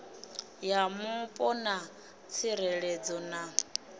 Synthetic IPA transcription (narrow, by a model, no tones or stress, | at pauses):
jamupʼɔna | t͡sʰiɾɛɺɛd͡zɔna